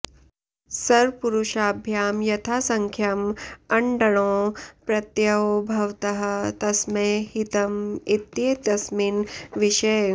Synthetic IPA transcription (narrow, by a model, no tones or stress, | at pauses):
sɐɾpuɾuʃaːbʱjaːmjɐt̪ʰaːsɐŋkʰjɐmɐɳɖɐɽ̃õːpɾɐt̪jɐwbʱɐwt̪ɐɦɐ̆t̪ɐsmehit̪ɐmit̪jet̪ɐsminʋiʃɐ